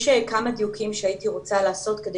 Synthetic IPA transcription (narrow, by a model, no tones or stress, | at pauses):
ʃekamad̪jukimʃeait̪iʁot͡salaːso̞t̪ked̪e